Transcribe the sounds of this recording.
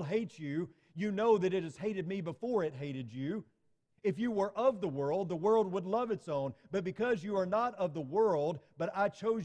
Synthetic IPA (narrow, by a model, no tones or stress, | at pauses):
d̚ɦeɪt͡ʃʉ | jɨnoʊðɨɾɨt̚ɨz̥heɪɾɨd̚mibəfɔɹɨt̚ɦeɪɾɨd͡ʒʉ | ɨfjɨwə˞ʔʌvðəwɜ˞lˠd̪̚ðəwɜ˞lˠd̚wədˡlʌvɨtsõʊ̃nb̥ʌt̚b̥ɨkʰʌzjɨə˞nəɾʌvðəwɜ˞lˠd̚b̥ʌɾaɪt͡ʃʰoʊz